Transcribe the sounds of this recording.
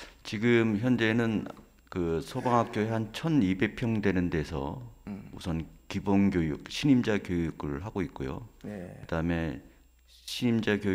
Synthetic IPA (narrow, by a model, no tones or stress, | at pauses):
t͡ɕiɡɯmçjʌnd͡ʑe̞nɯn | kɯsʰʌbaŋɦak̚k͈joeɦant͡ɕʰʌnibepʰjʌŋdwe̞nɯnde̞sʰʌ̰usʰʌnkibonɡjojṵk̚ɕʰiɲimd͡ʑakjojuɡɯɭɦaɡoit̚k͈ojo̰kɯd̥aɯme̞ | ɕʰiɲimd͡ʑakjoj